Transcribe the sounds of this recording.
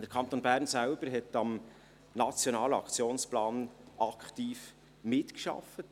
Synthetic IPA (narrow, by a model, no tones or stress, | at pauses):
d̪̥əɾkʰɑnt̪onbæːɾnsælb̥əɾɦɛtɑm | nɑt͡sjonɑːləɑ̰kt͡sjoːnsplɑːnʔɑkχtiːf | mɪtkʃɑ̰fət